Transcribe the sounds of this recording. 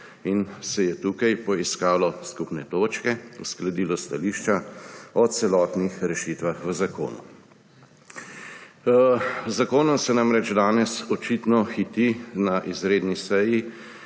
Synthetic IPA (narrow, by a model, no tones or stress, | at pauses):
insɛjɛt̪uːkajpɔiskaːlɔskupnɛt̪oːt͡ʃkɛṵsklad̪iːlɔst̪aliːʃt͡ʃaɔt̪sɛlɔːt̪nixɾɛʃiːt̪ʋaxʋəzako̰ːnṵ | zakoːnɔmsɛnamɾɛd͡ʒd̪aːnɛsɔt͡ʃit̪nɔxit̪inaʔizɾeːd̪nisɛji